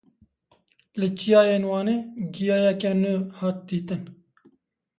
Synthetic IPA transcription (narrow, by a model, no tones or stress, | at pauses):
lɨt͡ʃijɑːjeːnwɑːneːɡijɑːjɛkɛnuhɑːt̪̚d̪iːt̪ɨn